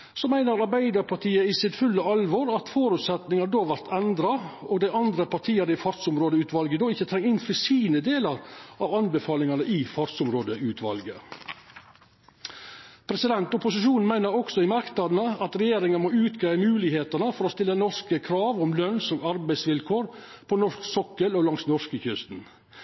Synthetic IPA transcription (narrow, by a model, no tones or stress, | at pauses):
sɔmæɪnəɾɑɾbæɪd̪ɑɾpʰɑʈʰiːəɪsɪt̪fʉlːəɑlʋɔɾɑt̪foːɾʉːt̪sɛt̪nɪŋɑd̪oːʋæɾt̪ʰɛnd̪ɾɑoɡd̪æɪʔɑnd̪ɾəpɑʈʰiːənɪfɑɾsʊmɾoːd̪əʉːt̪ʋɑlɡəd̪oːɪçːət̪ʰɾɛŋːɪnfəsiːnəd̪eːləɾɑʋɑnbəfɑːlɪŋɑnəʔɪfɑɾsʊmɾoːd̪əʉːt̪ʰʋɑ̰lɡə̰ | pʰɾɛsɪd̪ɛnt̪ʊpʊsɪʃuːnn̩mæɪnəɾɔksɔɪmɑɾknɑd̪nəɑt̪ɾɛjeːɾɪŋənmoːʉːt̪ɡæɪmʉːlɪheːt̪əɳəfɔɾɔst̪ɪlːənɔʂkəkʰɾɑːʋɔmlœnsoːɡɑɾbæɪsʋɪlkʰoːɾ | pʰɔnɔʂksɔkːəlɔlɑŋsnɔʂkəçʏst̪n̩